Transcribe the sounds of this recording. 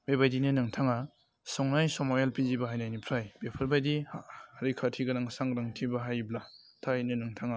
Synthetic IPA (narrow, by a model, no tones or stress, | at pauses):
bebajdinenɯŋtʰaŋa | sɔŋnajsɔmojalpizibaɦajnajnipʰɾajbepʰɯɾbajdihɾikʰatʰiɡɐnaŋsaŋɾaŋtʰibaɦajbla | tʰainenɯŋtʰaŋa